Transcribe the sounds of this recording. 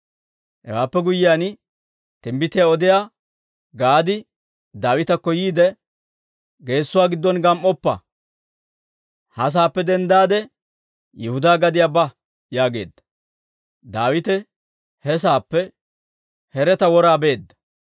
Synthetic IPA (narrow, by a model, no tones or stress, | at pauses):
hɛ̰waːpːɛɡʊjːɪjaːn | t̪ɪmbɪt̪ɪjaɔd̪ɪjaː | ɡaːd̪ɪ | d̪aːwɪt̪ɐkːɔjiːd̪ɛ | ɡe̞ːsːʊwaːɡɪd̪ːɔnɡɐmʔɔpːɐ̰ | hɐs̬aːpːɛd̪ɛnd̪aːd̪ɛ | jɪhʊd̪aːɡɐd̪ɪjaːbɐ | jaːɡe̞ːd̪ːɐ̥ | d̪aːwɪt̪ɛ | hɛs̬aːpːɛ | hɛɾɛt̪ɐwɔɾaːbe̞ːd̪ːɐ̥